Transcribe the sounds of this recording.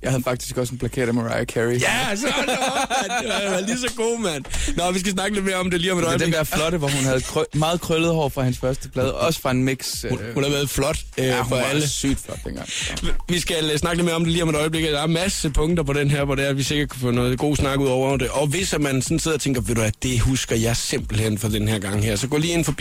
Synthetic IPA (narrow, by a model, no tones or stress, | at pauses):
jɑɪhæð̩ˠfɑ̈ɡ̥d̥i̥sɡ̥ɒ̽sen̩pʰlækʰḛɐ̰d̥meʁɑ̈ɪokʰæijæs | ʋɑlis̬ɒɡ̥o̝̰ːmæn̰nɒʋisɡ̥æs̬nɑ̈ɡ̥əle̝d̥me̝ːɐɒ̽md̥e̝liːɒmed̥ɾɒd̥eeʋæɐflɒ̽ɾəʋɒhunhæð̞̩ˠkʰʁmɑ̈ːð̞̩ˠkʰʁøləð̩ˠɒʊɐfʁɑ̈hænsfɶɐsd̥əb̥lɛːðˠɒ̽sə̥fʁɑ̈enmeɡ̥suhunhæʋæːɐð̩ˠflɒ̽d̥ | øfɒæləsy̰d̥flɔd̥d̥enɡ̥ɑŋʋisɡ̥ælsnɑ̈ɡ̥əleme̝ɐɒ̽md̥e̝liːɒ̽medɾɒ̽ɪb̥le̝ɡ̥d̥ɑæɐmæsəpʰɔ̽ŋd̥ɐpʰɒ̽ɾ̥enɦeɐ̰ʋɒdeæɐʋise̝ɡ̥ɐd̚kʰufɔ̰nɔːð̩ˠɡ̥o̝̰ːsnɑ̈ɡ̥əuð̰ˠɒʊ̰ɐʊɐd̥e̝ʔɒ̽ʋe̝sæmænsɒ̽n̩se̝ð̞̰ˠɐ̽t͡sʰeŋ̰ɡ̥ɐʋeɾuæd̥e̝husɡ̥ɐjɑ̈ɪse̝mb̥l̩hen̰fɒ̽d̥enheɐɡ̥ɑ̈ŋ̰heɐ̰sɒ̽ɡ̥ɔ̰liːe̝nfɒ̽bi